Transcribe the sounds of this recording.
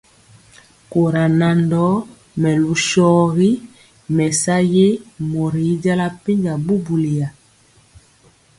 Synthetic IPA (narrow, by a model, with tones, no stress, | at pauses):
ko˨ɾa˨na˨ndɔ˨˦ | mɛ˨lu˨ʃɔ˦ɣi˦ | mɛ˨sa˦je˦mɔ˨ɾi˨˦d͡ʒa˦la˦pi˦ɲd͡ʒa˨bu˦bu˨li˨ja˨